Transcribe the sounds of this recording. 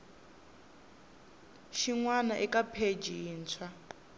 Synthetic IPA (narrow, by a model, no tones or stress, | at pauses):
ʃiŋwanaʔikapʰed͡ʒiiːnt͡sʰwa